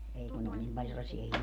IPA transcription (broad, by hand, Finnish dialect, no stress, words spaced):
ei kun ne olʲ nim pɑl selːɑsiɑ